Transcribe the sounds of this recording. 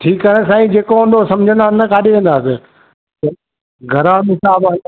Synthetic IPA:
ʈʰiːkəɽ̃sãːĩd͡ʑeːkoə̃nd̪osɐ̃md͡ʑʱə̃nd̪aːɪnɐkaːɗeʋẽːn̆d̪aːse | t̪ɐ | ɡʱɐɾaːnɪsaːba

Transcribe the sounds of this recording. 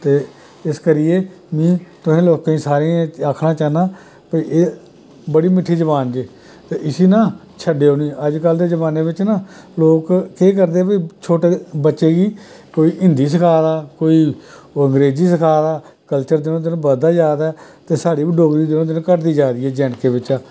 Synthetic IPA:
t̪eː | ɪskəɾɪjeː | mĩːt̪ʊɦẽːloːkãiːsaːɾeaːkʰɽaːt͡ʃaːnaː | pəiʔeː | bəɽiːmɪʈʰːiːd͡ʒəbaːnd͡ʒeː | t̪eːʔɪsiːnãː | t͡ʃʰəɖeːɦoːnĩːəd͡ʒkəld̪eːd͡ʒəbaːneːʋɪt͡ʃnãː | loːkːeːk̬əɾd̪eːbit͡ʃʰoːʈeːbətːʃeːɡiː | koːiːɪnd̪iːs̬əkʰaːd̪aːkoːiː | ə̃ŋɡɾeːd͡ʒiːsəkʰaːd̪aː | kəlt͡ʃəɾd̪ɪnõːd̪ɪnõːbəd̪aːd͡ʒaːd̪ɛːt̪eːsaːɽiːbiːɖoːɡɾiːd̪ɪnõːd̪ɪnõːkəɾd̪iːd͡ʒaːd̪iːɛːd͡ʒɛːnkeːbɪt͡ʃaː

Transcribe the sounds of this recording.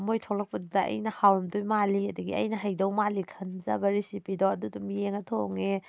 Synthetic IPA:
mojtʰolɐk̚pɐdudɐɐ̰jnɐhawmdujmaliɐdɐɡḭɐ̰jnɐɦɐjdɐwmalikʰɐnza̰bɐɾisipidoɐdudɐmijeŋɐtʰoŋe

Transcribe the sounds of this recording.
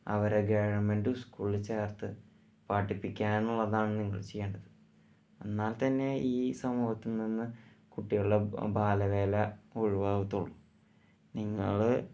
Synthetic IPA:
ɐ̰ʋɐɾeɡeːɻɐɳmenduskuːɭt͡ɕejɐrt̪ɨ | paːʈːipːikʲːaːnuɭːɐðaːɳɨniŋːɐ̰ɭt͡ɕe̞jːeːɳɖɐðɨ | e̞nːaːlt̪ɐnːe̞iːsɐmuːɦɐt̪ːilninːɨ | kuʈːijuɭːebʱaːlɐʋe̞ːlɐoɻiʋaːʋɐt̪ːuɭːu | niŋːɐ̰ɭ

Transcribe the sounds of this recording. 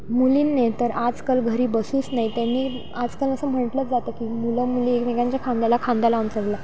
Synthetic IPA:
muliːnːet̪əɾad͡zkəlɡʱəɾiːbəsuːt͡snait̪janːiː | ad͡zkələsəːm̤əɳʈlət͡sd͡zat̪əːkiːmuləmuliekmeɡãɲt͡ɕjakʰãnd̪alakʰãnd̪alaunt͡səɾla

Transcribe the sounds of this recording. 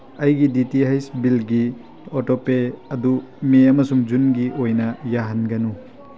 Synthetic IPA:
ɐjɡiditihajsbilɡi | otopeɐdumeɐmɐsumd͡ʒunɡiʔojnɐjaɦɐnɡɐnu

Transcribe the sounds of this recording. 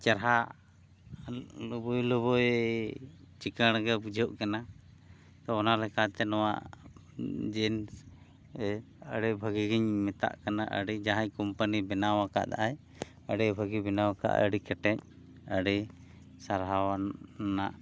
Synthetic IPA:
t͡ʃaɾɦa | bɔjlɔbɔj | t͡ʃikəɽ̃ɡɛbud͡ʒʱɔʔkɛna | t̪ɔɔnalɛkat̪ɛnɔwa̰ʔ | d͡ʒɛn | əɽɛbʱəɡiɡiɲmɛt̪a̰ʔkanaʔə̰ɽid͡ʒaɦaɲkɔmpənibɛnawaka̰ʔd̪a̰ʔaj | əɖɛbʱəɡibɛnawaka̰ʔə̰ɽikɛʈɛɲ̚ | əɖɛ | saɾɦawanaʔ

